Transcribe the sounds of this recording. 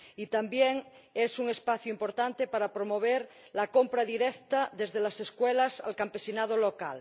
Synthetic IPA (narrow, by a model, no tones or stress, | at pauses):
it̪ambjeŋesuŋe̞spaθjuimpo̞ɾt̪ant̪epaɾapɾomoβ̞eɾ | lako̞mpɾaðiɾekt̪aðe̞zðelaseskwelasa̰lkampe̞sinað̞oloka̰l